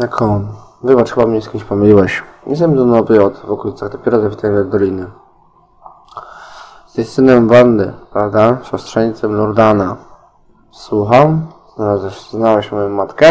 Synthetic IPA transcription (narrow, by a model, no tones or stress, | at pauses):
j̪akʰɔn | vɘbatʂxɘbamɲɛskʲimɕʲpɔmɘlʲiwɛɕɲʲɛsɛmʲizɔnɔbɛɔt̪vɔkuluit̪saɣd̪ɔpʲɛɾɔzapʲit̪aɲɛmɔd̪d̪ɔlʲinɘ | z̥ist̪ɘnɛmvand̪ɘpɾavd̪aɕɔst̪ʂɛɲit̪sɛmlɔɾd̪ana | swuxamznaazɛznawɛɕmɔjɔmːat̪kɛ